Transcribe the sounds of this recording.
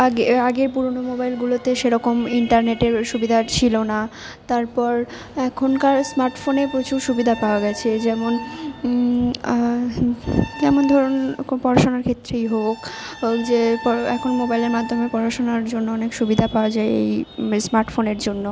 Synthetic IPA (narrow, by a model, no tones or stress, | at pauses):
eaɡeɾpuɾonomobajlɡulot̪eʃeɾɔkomiɳʈaɾneʈeɾʃubid̪ʱat͡ɕʰilona | t̪aɾpɔɾ | ɛkʰonkaɾsmaɾʈfonepɾot͡ɕuʃubid̪ʱapaoaɡɛt͡ɕʰed͡ʑɛmon | d͡ʑɛmond̪ʱɔɾonpɔɾaʃonaɾkʰet̪ːɾejɦokd͡ʑepɔɛ̰kʰonmobajleɾmad̪ʱːomeɾpɔɾaʃonaɾd͡ʑonːoɔnekʃubid̪ʱapaoad͡ʑaeḛjsmaɾʈfoneɾd͡ʑonːo